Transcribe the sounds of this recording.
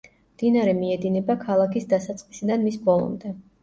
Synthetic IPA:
md̪̥inaɾɛmiɛd̪inɛbakʰalˠakʰisd̪asat̪sʼqʼisid̪anmisbɔlˠɔ̰md̪ɛ

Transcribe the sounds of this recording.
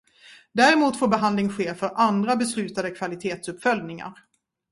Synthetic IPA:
d̪æːɾɛmuːt̪foːbɛɦand̪lɪŋɧeːfœɾʔand̪ɾabɛslʉ̟ːt̪ad̪əkʰvalɪt̪ʰeːt̪sɵpːfœld̪nɪŋa̰ɾ

